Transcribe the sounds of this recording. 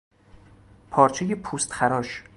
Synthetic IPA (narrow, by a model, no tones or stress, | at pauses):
pʰɒːɾt͡ʃʰejepʰuːst̪xæɾɒːʃ